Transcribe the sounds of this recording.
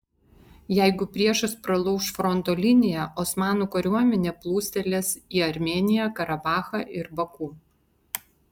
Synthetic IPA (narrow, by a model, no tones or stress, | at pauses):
jæɪɡʊpʲɾʲiɛʃɐspɾɐlˠɔʊʃfɾɔnt̪oːlʲɪnʲɪjɛʔɔsmɑːnuːkɐɾʲuɔmʲɛnʲeːplˠuːsʲt̪ʲɛlʲeːsiːɐɾʲmʲeːnʲɪjækɐɾɐbɑːxɑʔɪɾbɐkuː